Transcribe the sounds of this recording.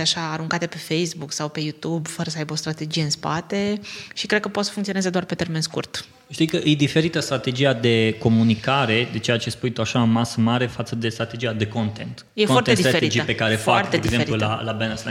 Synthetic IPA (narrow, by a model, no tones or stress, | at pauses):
eaʃaːɾuŋkat̪e̞pe̞fejsbuksawpe̞jut̪ubfəɾəsəajbəo̞st̪ɾat̪e̞d͡ʒije̞ɨnspa̰t̪e̞ʃikɾed̪̚kəpot̪sə̥fuŋkt̪sionezed̪oarpe̞t̪e̞rme̞nskṵrt̪ | ʃt̪ijkəʔɨjd̪ife̞ɾit̪əst̪ɾat̪e̞d͡ʒiad̪e̞ko̞munikaɾe̞d̪e̞t͡ʃe̞jat͡ʃespujt̪uaʃaɨnmasəmaɾe̞fat̪səd̪e̞st̪ɾat̪e̞d͡ʒiad̪e̞kont̪ent̪ | jefwart̪ed̪ieeid͡ʒipekaɾefoart̪d̪eeɡzeeɾpilula̰labenesa